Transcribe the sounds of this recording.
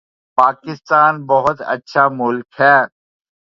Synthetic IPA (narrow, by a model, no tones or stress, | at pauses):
paːkɪst̪aːnbɐɦʊt̪ə̰tːʃʰaːmʊlkhɛː